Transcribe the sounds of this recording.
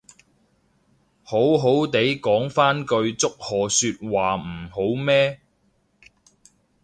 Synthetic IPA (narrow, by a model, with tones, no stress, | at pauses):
ho˨˥wɦo˨˥wt̪e˨˥jkɔː˨˥ŋfaː˥nkɵ˧ɥt͡sʊ˥k̚hɔː˨syː˧t̚waː˨m̩˨˩ho˨˥wmɛː˥